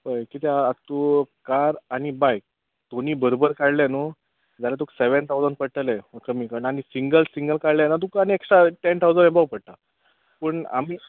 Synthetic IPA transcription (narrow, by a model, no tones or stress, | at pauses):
bəjkit̪ɛat̪ukaɾaɽ̃ibajk̚ | d̪̥oniːbəɾobəɾkaɽljano | d͡zalat̪̬ukseʋənt̪ʰawd͡zən̚pəɽʈ̪əlɛəkəmiːkaɾɳañisiŋɡəlsiŋɡəlkaɽljanat̪̬ukañieksʈ̪ɾaʈent̪ʰawd͡zənẽbawpəɽt̪a | pəɳa̰miː